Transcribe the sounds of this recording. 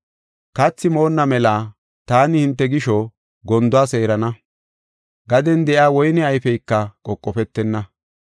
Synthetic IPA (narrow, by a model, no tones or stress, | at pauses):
kɐt͡sːɪmo̞ːnːɐmɛlaː | t̪aːnɪhɪnt̪ːɛɡɪʃɔ | ɡɔnd̪ʊaːse̞ːɾɐnɐ | ɡɐd̪ɛnd̪ɛʔjaːwɔjnɛɐjfɛjkːɐkʼɔkʼːɔpɛt̪ːɛnːɐ